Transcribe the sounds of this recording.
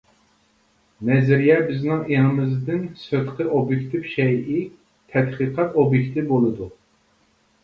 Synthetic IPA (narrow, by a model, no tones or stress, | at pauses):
nɛzɪɾijɛbɪznɪŋeŋɨmɪzd̪ɪnsøt̪qʰəʔobjekʲt̪ʰɪfʃɛjʔi | t̪ʰɛt̪qɨqʰɑt̪objekʲt̪ɨbolˠɨd̪u